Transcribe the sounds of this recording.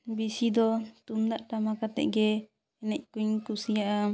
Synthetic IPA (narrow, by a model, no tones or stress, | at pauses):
bisid̪ɔt̪umd̪aʔʈamakat̪ɛ̰ʔɡɛ | ɛnɛc̚ˀkuɲkusijaʔa